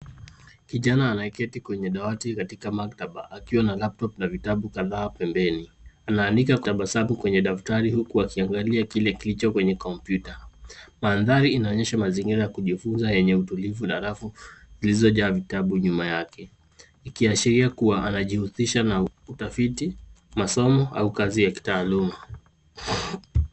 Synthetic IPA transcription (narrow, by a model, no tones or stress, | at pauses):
kiʄanaːnaɛkɛtikwɛɲɛɗawatikatikamaktaɓa̰ʔakiwanalap̚tɔpnavitaɓukaðaːpɛmbɛnianaːndikakaɓasamukwɛɲɛɗaftaɾihukuakiaŋɡaliakilɛkilit͡ʃɔkwɛɲɛkɔmpjutamaːnðaɾiːnaɔɲɛʃamaziŋɡiɾajakuʄifunzajɛɲɛutulivunaɾafuzilizɔʄaːvitaɓuɲumajakɛ | ikiaʃiɾiakuwaʔanaʄihusiʃanautafiti | masɔmɔa̰ukazijaki̥taːluma